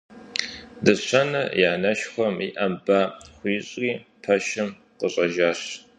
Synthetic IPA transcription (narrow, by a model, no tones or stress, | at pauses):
dɨɕʰɐnɐjaːnɐʃχʷɔmḭʔɐmbaːχʷiːɕʼriːpʰɐʃɐm | qəɕʼɐʒaːɕ